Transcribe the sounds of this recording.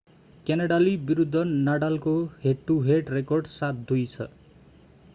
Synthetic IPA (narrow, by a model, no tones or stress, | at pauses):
kenʌɽalibiɾud̪ʱːʌnaɽalkoɦeʈːuɦeʈrekʌrɖsat̪̚d̪ujt͡sʰʌ̰